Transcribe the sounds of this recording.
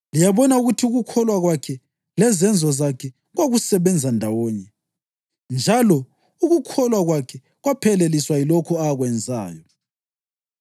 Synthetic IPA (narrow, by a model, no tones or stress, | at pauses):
lijaβɔnauɣutʰiuɣukʰɔlwaɣwakʰɛ | lɛzɛnd͡zʱɔzakʰɛ | ɣwaɣusɛβɛnd͡zʱandʱawɔːɲɛ | nd͡ʒʱalɔ | uɣukʰɔlwaɣwakʰɛ | ɣwapʰɛleliswailɔkʰɔaɣwɛnd͡zʱa̰ːjɔ